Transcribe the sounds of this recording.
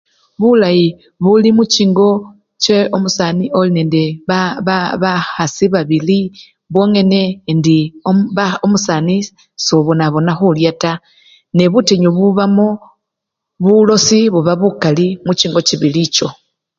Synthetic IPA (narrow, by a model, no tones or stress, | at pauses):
βulaji | βulimut͡ʃiːŋɡo̞ | t͡ʃe̞omusanio̞lineːnde̞ββaxasiβaβili | βwo̞ŋe̞ne̞ndi | omusani | soβunaβo̞naxuljata | neβuteɲoβuβamo | βulo̞siβuβaβukalimut͡ʃiːŋɡo̞t͡ʃiβilit͡ʃo̞